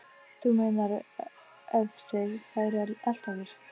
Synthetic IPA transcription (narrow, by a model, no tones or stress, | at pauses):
θumeːjnaɾ | ɛvsɛɣfaːjɾɛl̥t̪aːɣɪɾ̥